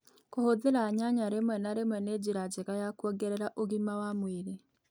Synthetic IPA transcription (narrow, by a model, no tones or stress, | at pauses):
kohoðeɾaːɲaɲaɾemwɛnaɾemwɛned͡ʑeɾad͡ʑeɣajakwɔɡɛɾɛɾaʔoɣimawamweɾe